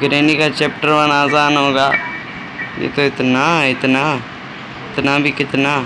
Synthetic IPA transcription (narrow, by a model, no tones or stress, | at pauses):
ɡɾeːnikaːt͡ʃɛːp̚ʈəɾʋanaːzaːnɦõːɡaː | jḛːt̪õːɪt̪naːɪt̪naː | ɪt̪nãːbiːkɪt̪nãː